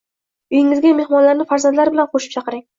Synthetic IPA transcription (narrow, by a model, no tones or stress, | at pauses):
ʊjɪŋɪzɡʲamehmɒnlaɾnɪfaɾzand̪laɾbɪlanqʰoʃɪ̥p̚t͡ʃʰɑqɨɾɪŋ